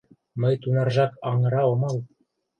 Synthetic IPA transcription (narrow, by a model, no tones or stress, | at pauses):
mɤjt̪unɑrʒɑkɑɴɤ̆ɾɑomɑlˠ